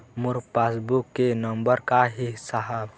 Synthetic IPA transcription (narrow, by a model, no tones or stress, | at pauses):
mʊɾpaːsbukːenə̃mbəɾkaɦisaɦab